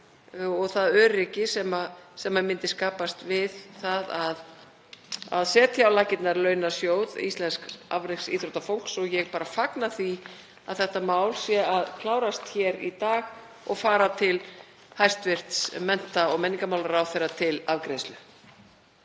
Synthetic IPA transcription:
ɔɣθaðœːɾɪcɪsɛmasɛmːamɪnt̪ɪskaːpast̪vɪðθaðað | a̰ðsɛːt̪ʰjaːwlaːcɪt̪naɾlœːɥnasjoːwðḭst̪lɛnska̰vɾeksḭt̪ɾowt̪afow̥ksɔɣjɛɣpaːɾafaknaθi | aðθɛht̪amaːwlsjɛaðkʰlaːwɾast̪çɛɾḭt̪aːɣ | ɔɣfaːɾat̪ʰɪl | hajst̪vɪr̥t̪smɛn̥t̪aɔɣmɛnːiŋkamawlaɾaːwθejrat̪ʰɪlavkɾeːslʏ

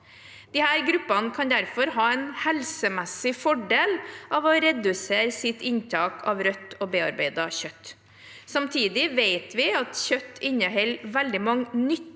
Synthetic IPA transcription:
d̪̥ɪhæːɾɡɾʉpːɑnəkʰɑnd̪æɾfɔɾɦɑːɛɪnhɛlsəmɛsːɪfɔɖeːlɑːʋɔɾɛd̪ʉseːɾsɪt̪ɪnt̪ʰɑːkʰɑ̰ːʋɾœt̪ːobeːɑɾbeɪd̪ɑçœt̪ː | sɑmt̪ʰiːd̪ɪʋeɪt̪ʰʋɪɑt̪çœt̪ːɪɲnəɦɛlʋɛld̪ɪmɑŋːnʏt̪ː

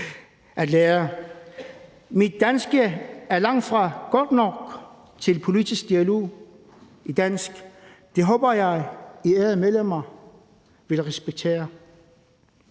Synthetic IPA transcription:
ʔæd̥leːɐ | mid̥̚ːænsɡ̥əæɐlɑ̈ŋ̰d̥fʁɑ̈ɡ̥ɒd̥nɒɡ̥ | t͡sʰe̝lpʰo̝lidisɡ̥̚d̥iælo̝̰ː | id̥æn̰sɡ̥ | d̥e̝ɦɔ̽ːb̥ɐjɑ̈ɪiɛɐðˠmeðˠlem̰ɐ | ʋe̝lʁɛsb̥eɡ̥̚t͡sʰe̝̰ːɐ

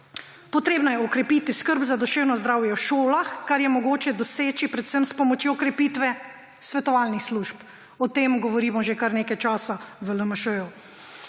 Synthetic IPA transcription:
pɔt̪ɾeːbnajɛɔkɾɛpit̪iskəɾbzad̪ɔʃeːwnɔzd̪ɾaːwjɛwʃoːlaxkaɾjɛmɔɡoːt͡ʃɛd̪ɔseːt͡ʃipɾɛt̪səmspɔmɔt͡ʃjokɾɛpiːt̪ʋɛ | sʋɛt̪ɔʋaːlnixsluʃp | ɔt̪eːmɡɔʋɔɾiːmɔʒekaɾneːkajt͡ʃaːsaʋələməʃəju

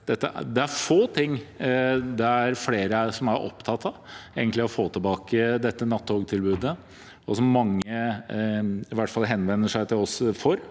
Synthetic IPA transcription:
d̪̥ɛt̪ːə̰d̪ɛæɾfoːt̪ʰɪŋː | d̪ɛæɾfleːɾəsɔmæɾʔɔ̰pːt̪ʰɑt̪ːɑeːɡənt̪lɪɔfoːt̪ʰɪlbɑːkəd̪ɛt̪ːənɑt̪ːoːɡt̪ʰɪlbʉːd̪ə | ɔsɔmːɑŋːə | ɪʋæʈːfɑlɦɛnʋɛnːəʂæɪt̪ʰɪlɔsfɔɾ

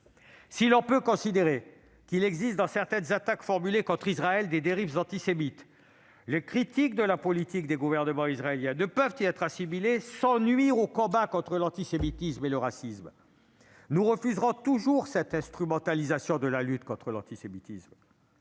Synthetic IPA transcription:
silɔ̃pøkɔ̃sid̪eʁe | kilɛɡzist̪d̪ɑ̃sɛʁt̪ɛnzat̪akfɔʁmylekɔ̃t̪χizʁaɛld̪ed̪eʁivzɑ̃t̪isemit̪ | lekχit̪ik̚d̪əlapɔlit̪ik̚d̪eɡuvɛʁnəmɑ̃izʁaeljɛ̃nəpœvt̪iɛt̪χasimilesɑ̃nɥiʁokɔ̃bakɔ̃t̪χəlɑ̃t̪isemit̪ismeləʁasism | nuʁəfyzʁɔ̃t̪uʒuʁsɛt̪ɛ̃st̪χymɑ̃t̪alizasjɔ̃d̪əlalyt̪kɔ̃t̪χəlɑ̰̃t̪isemit̪ism

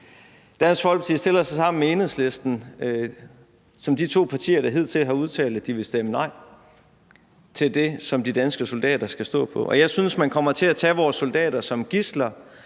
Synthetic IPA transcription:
d̥æn̰sɡ̥fɒ̽l̰ɡ̥siɐsd̥e̝lsɑsɑ̈m̰n̩mee̝ːnhesle̝sd̥n̩ | sɒ̽md̥it͡sʰo̝̰ːpʰɑ̈t͡sʰḭːɐɾ̥ɑ̈ɦe̝ð̞̰ˠt͡sʰe̝lɦɑ̈uð̞ˠt͡sʰɛ̰ːld̩ˠd̥iʋe̝sd̥emənɑ̈ɪ̰ | t͡sʰe̝ld̥e̝sɒ̽md̥id̥ænsɡ̥əso̝ld̥ɛ̰ːd̥ɐsɡ̥æsd̥ɔ̰̽ːpʰɒ̽ʔɒ̽jɑ̈ɪsynsmænkʰɒ̽m̰ɐt͡sʰe̝æt͡sʰɛʋɒːsːo̝ld̥ɛ̰ːɾ̥ɐsɒ̽mɡ̥islɐ

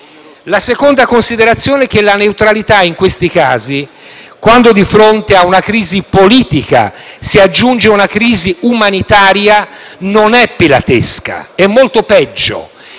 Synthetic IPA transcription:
lasekond̪akonsid̪eɾat̪sːjoːnɛk̟ːelːaneut̪ɾalit̪aiŋkwest̪ikaːzi | kwand̪od̪ifɾont̪eaunakɾiːzipoliːt̪ika̰siad͡ʒːund͡ʒeunakɾiːziumanit̪aːɾjanonɛpːila̰t̪eska̰ɛmːolt̪opɛd͡ʒːo̰

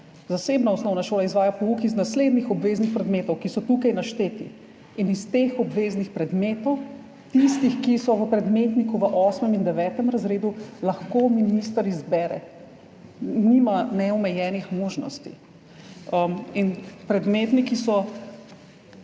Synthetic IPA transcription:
zaseːbnaɔsnɔwnaʃoːlaizʋaːjapɔukiznasled̪nixɔbʋeːznixpɾɛd̪meːt̪ɔwkisɔt̪ukajnaʃt̪eːt̪ḭ | inist̪exɔbʋeːznixpɾɛd̪meːt̪ɔw | t̪ist̪ixkisɔʋəpɾɛd̪met̪nikuʋəʔɔsmɛmind̪ɛʋɛːt̪ɛmɾazɾeːd̪ulaxkoːminist̪əɾizbɛːɾɛ̰ | nimanɛɔmɛjɛːnixmoːʒnɔ̰st̪ḭ | əminpɾɛd̪meːt̪nikisɔ

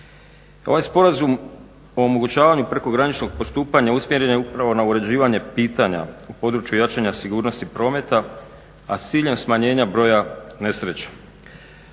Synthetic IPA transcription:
o̞ʋajspo̞ɾazum | o̞ːmoɡut͡ɕaːʋaɲupɾe̞ko̞ɡɾanit͡ʃno̞ɡ̚po̞st̪uːpaɲausmje̞ɾe̞njeupɾaʋo̞nauɾe̞d͡ʑiːʋaɲe̞piːt̪aɲa̰upo̞d̪ɾut͡ʃjujat͡ʃaɲasiɡuːɾno̞st̪ipɾo̞ːme̞t̪aː | st̪siːʎe̞msmaɲe̞ːɲabɾo̞ːjane̞sɾe̞t͡ɕe̥

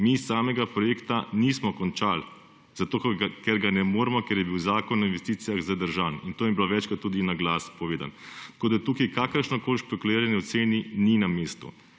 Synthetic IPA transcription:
misaːmɛɡapɾɔjeːkt̪anismɔkɔnt͡ʃal | zat̪oːkkɛɾɡanɛmoːɾɛmɔkɛɾjɛbiwzaːkɔnːainʋɛst̪iːt̪sijaɣzad̪əɾʒaːnint̪oːmimbloʋɛt͡ʃkat̪ːuːd̪inaɡlaːspɔʋeːd̪a̰nt̪ḁkoːd̪at̪uːkijkakəɾʃnɔkoːlʃpɛkuliːɾaniɔt̪seːnininameːst̪ṵ

